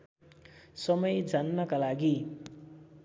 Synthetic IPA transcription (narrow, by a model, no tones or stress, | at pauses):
sʌmʌjd͡zʱanːʌkalaɡi